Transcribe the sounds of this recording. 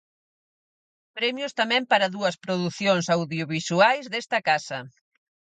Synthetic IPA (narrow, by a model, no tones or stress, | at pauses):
pɾɛmjʊst̪amɛ̃mpaɾɐðuɐspɾoðuθjoŋsawðjoβisuajzðest̪ɐkasɐ